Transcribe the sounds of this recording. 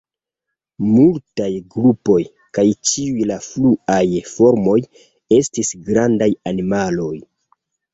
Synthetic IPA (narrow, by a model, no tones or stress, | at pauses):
multajɡɾupo̞j | kajt͡ʃiujlafluajfo̞ɾmo̞j | e̞stisɡɾandajanimalo̞j